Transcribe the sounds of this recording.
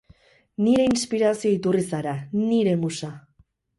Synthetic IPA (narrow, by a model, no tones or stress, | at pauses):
niɾe̞inspiɾasio̞it̪urisaɾaniɾe̞musa